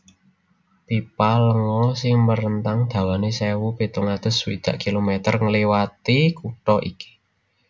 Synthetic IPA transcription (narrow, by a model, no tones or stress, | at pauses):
pipaləŋɔsɪŋməɾənt̪aŋd̪̥ä̤wanesɛwupit̪uŋad̪̥ə̤swḭd̪̥a̤̰ʔkilomet̪ərŋəliwat̪ikuʈɔʔiki̥